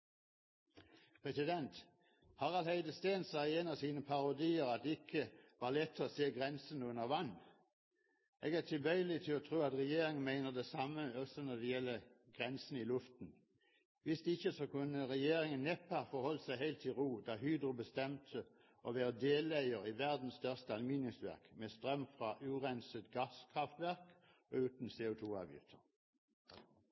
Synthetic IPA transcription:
pʰʁɛsɪd̪ɛnt̪ | hɑʁɑlhæɪd̪əst̪eːnsɑeːnɑʋsiːnəpʰɑʁʊd̪iːəʁɑt̪̚d̪ɛɪkʰːəʋɑʁlɛt̪ʰːɔːseːɡʁɛnsənʉnəʁʋɑnː | ʔeːɡæːʁt̪ʰɪlbœʏəlɪt̪ʰɪlɔt̪ʰʁuːɑt̪ʁɛjeːɾɪŋənmæɪnəʁd̪ɛsɑmːəɔsɔnɔd̪ɛjɛlːəɡ̥ʁɛnsn̩ɪlʉft̪n̩ | ʋɪsd̪ɪçəsɔkʉnːəʁɛjeːɾɪŋənɛpɑfɔʁhɔlːəsæɪɦæɪlt̪ʰːɪlʁuːd̪ɑɦyːd̪ʁʊbəst̪ɛmt̪ʰə | ʔɔʋeːʁəd̪eːlæɪəʁiʋæʁd̪n̩st̪œʁst̪əɑlmiːnɪŋsʋæ̰ʁkmest̪ʁœmfʁɑʔʉːʁɛnsət̪ɡɑskʰʁɑft̪ʋæʁk | ɔʉːt̪n̩seːʊt̪ʰuːɑ̰ːʋjʏ̰ft̪ʰəʁ

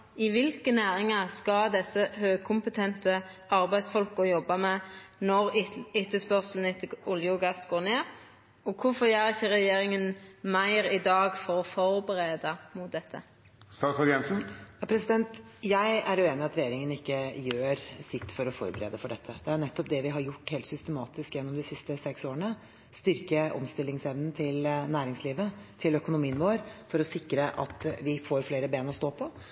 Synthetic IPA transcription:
ɪʋɪlkənæːɾɪŋɑskɑd̪ɛsːəhøːɡ̚kʰʊmpət̪ʰɛnt̪ə | ɑɾbæɪd̪sfɔlkɔjɔbːɑmɛnɔɾɪt̪ːəspœʁsln̩ɪt̪ːəɔljʊɡɑsɡ̥oːɾneː | ɔkʰʊfɔɾæːɾɪçəɾɛjeːɾɪŋənmæɪɾɪd̪ɑːɡfɔɾɔfɔɾbəɾeːd̪ɑmʊt̪̚d̪ɛt̪ʰːə | st̪ɑːt̪sɑjɛnsn̩jɑːpʰɾɛsɪd̪ɛnt̪jæɪæɾʉːeːnɪɑt̪ɾɛjeːɾɪŋənɪkːəjøːɾsɪt̪ːfɔɾɔfɔ̰ɾbəɾḛːd̪əfɔɖɛt̪ʰːəd̪̥ɛæɳɛt̪ːɔpd̪ɛʋɪɦɑɾjʊʈːheːlt̪sʏst̪əmɑːt̪ɪskjɛnːɔmd̪ɪsɪst̪əsɛksoːɾəɳə | st̪ʏɾkəʔɔ̰mst̪ɪlːɪŋsɛʋnn̩t̪ʰɪlnæːɾɪŋsliːʋət̪ʰɪlœkʊnʊmiːənʋoːɾfɔɾɔsɪkːɾəʔɑ̰t̪ʋɪfoːɾfleːɾəbeːnɔst̪oːpʰɔ

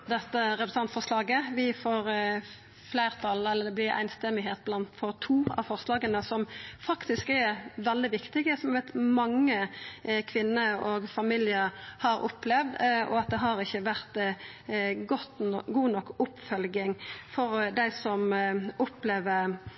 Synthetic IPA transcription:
d̪ɛt̪ːəɾɛpɾsɑnt̪fɔʁslɑːɡəʋɪfoːɾ | flæɪʁt̪ʰɑlɛlːəd̪ɛblɪɾʔæ̰ɪnst̪ɛmɪɦeːt̪̚blɑnt̪fɔʁt̪ʰuːɑ̰ʋfɔʁslɑːɡənəsɔmfɑkt̪ɪskɛʋɛld̪ɪʋɪkt̪ɪɡəsɔmʋæt̪mɑŋːəkʰʋɪnːəoɡfɑmiːljəɾhɑɾʊ̰plɛʋd̪ɔ̰ɑt̪̚d̪ɛɦɑɾɪçːəʋæʁt̪ | ɡɔt̪ɡuːnɔkːʊpfœlɡɪŋfɔɾd̪æɪsɔmʊpleːʋə

